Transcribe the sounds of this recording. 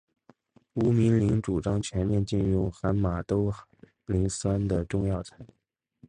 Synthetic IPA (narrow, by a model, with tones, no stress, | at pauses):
u˧˥mi˧˥nli˧˥ŋʈ͡ʂu˨˩ʈ͡ʂɑ˥ŋt͡ɕʰɥɛ˧˥nmjɛ˥˧nt͡ɕi˥˧nɻu˥˩xa˧˥nma˨˩t̪o˥ʊx | li˧˥ŋsa˥nd̪ə˨ʈ͡ʂʊ˥˧ŋjɑ˥˩ʊt͡sʰa˧˥ɪ˧